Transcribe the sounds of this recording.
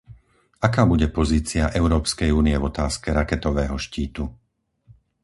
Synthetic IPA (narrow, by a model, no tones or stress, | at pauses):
akaːbuɟɛpɔziːt͡siaʔɛʊɾɔːpskɛjuːniɛvɔt̪aːskɛɾakɛt̪ɔʋɛːɦɔʃciːt̪u